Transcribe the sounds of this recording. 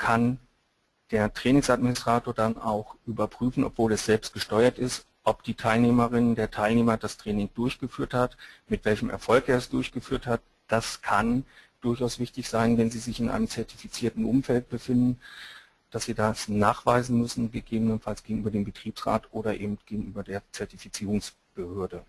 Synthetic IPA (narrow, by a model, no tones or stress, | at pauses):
kʰan | d̥eːɐtʁ̥ɛːnɪŋsatmɪnɪstʁ̥aːtoːɐdana̰ʊxʔyːbɐpʁ̥yːfn̩ʔɔ̰pv̥oːlɛsz̥ɛlpst̚ɡ̥əʃtɔʏɐtɪst | ʔɔpd̥iːtʰaɪlneːməʁɪnəndeːɐtʰaɪlneːmɐdastʁ̥ɛːnɪŋdʊɐçɡ̥əfyːɐthatmɪtv̥ɛlçəmʔɛ̰ɐfɔlkeːɐɛsd̥ʊɐçɡ̥əfyːɐthat̚ | d̥askʰand̥ʊɐçaʊsv̥ɪçtɪçz̥aɪnvɛnziːzɪçɪnʔa̰ɪnəmt͡sɛɐtifit͡siːɐtn̩ʔʊmfɛlt̚b̥əfɪndn̩ | d̥asz̥iːdasnaːχv̥aɪzn̩mʏsn̩ɡəɡeːbənənfalsɡ̥eːɡŋ̩ʔyːbɐdeːmbətʁ̥iːpsʁ̥a̰ːtʔoːɾɐʔḛːbm̩tɡ̥eːɡŋ̩ʔyːbɐdeːɐt͡sɛɐtifit͡siːʁʊŋs | b̥əhøːɐdə